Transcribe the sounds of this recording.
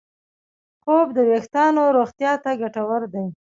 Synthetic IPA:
xob̚d̪əwext̪ɑnoɾoɣt̪jɑt̪aɡaʈawəɾd̪aj

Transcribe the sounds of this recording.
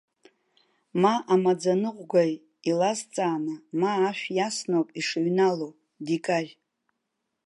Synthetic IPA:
maʔamad͡zanɨʁʷɡʷaj | ilazt͡sʼaːnamaːʃᶣjasnowpʼiʂɨɥnalow | dikʼarʲ

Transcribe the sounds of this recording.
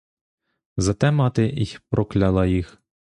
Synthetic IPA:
zɐt̪ɛmɑt̪ɪipɾʔɔklʲɑlˠɑjix

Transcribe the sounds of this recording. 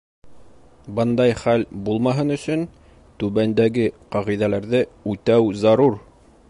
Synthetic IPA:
bɤnd̪ɑjχælbulˠmɑɦɤnɵ̆sɵn | t̪ʉβænd̪æɡɘqɑʁijðælæɾðɘʉt̪æwzɑɾuɾ

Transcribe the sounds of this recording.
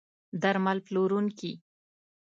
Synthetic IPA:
d̪aɾmalploɾunki

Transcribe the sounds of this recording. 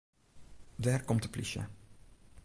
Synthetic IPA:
daːrkɔmtəplḭʃə̰

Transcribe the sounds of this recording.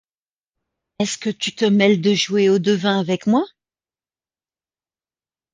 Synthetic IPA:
ɛskət̪yt̪əmɛld̪əʒweod̪əvɛ̃avɛkmwa

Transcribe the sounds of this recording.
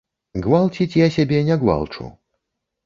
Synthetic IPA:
ɣvalˠt͡sʲit͡sʲjasʲabʲɛnʲɛɣva̰lˠt͡ʂṵ

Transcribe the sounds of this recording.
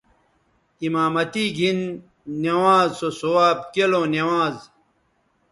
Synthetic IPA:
imaːmɐt̪iːɡʱinː | ewaːzsosowaːb̚kelõnewaːz

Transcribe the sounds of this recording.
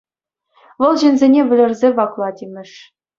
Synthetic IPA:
ʋɤ̆lˠʑĕnʲzʲenʲeʋʲɘ̆lʲɘ̆rʲzʲeʋɑklˠɑtʲemʲɘ̆ʂ

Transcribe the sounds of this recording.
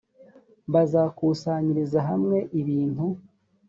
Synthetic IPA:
βazaːkuːsaːɲiɾizaɦamŋe̞ʔiβiːn̥hu

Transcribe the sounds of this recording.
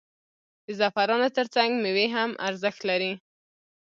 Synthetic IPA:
d̪̥əzafaɾɑnot̪əɾt͡saŋɡməweɦamʔa̰ɾzəxt̪laɾi

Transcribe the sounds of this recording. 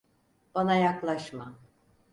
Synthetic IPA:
b̥anajaklˠaʃma

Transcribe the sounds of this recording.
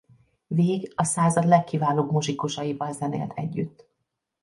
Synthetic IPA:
veːɡɒsaːzɒd̪lɛkːivaːloːbmoʒikuʃɒjibɒnzɛnḛːlt̪ʰɛ̰ɟːy̰t̪ː

